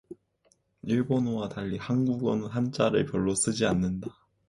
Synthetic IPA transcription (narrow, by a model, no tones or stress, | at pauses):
iɭbonowataʎːihanɡuɡwʌnɯɦant͡ɕ͈aɾɯɭpjʌɭːos͈ɯd͡ʑianːɯnda